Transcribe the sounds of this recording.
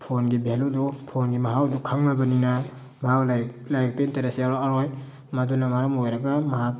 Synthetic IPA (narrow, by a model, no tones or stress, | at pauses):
pʰonɡibeludupʰonɡimaɦawdukʰaŋnabanina | bʱawl | lajk̚tentaɾasijaɾɔaɾoj | madunamaɾamojɾaɡamaɦak̚